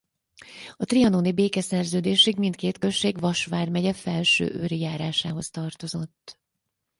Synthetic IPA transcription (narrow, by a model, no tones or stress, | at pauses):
ɒt̪riɒnoːnibeːkɛsɛrzøːd̪eːʃikmint̪̚keːt̪køʃeːɡvɒʃʋaːrmɛɟɛfɛlʃø̰ːʔøːɾijaːɾaːʃaːɦo̞st̪ɒrt̪o̞zo̞t̪ː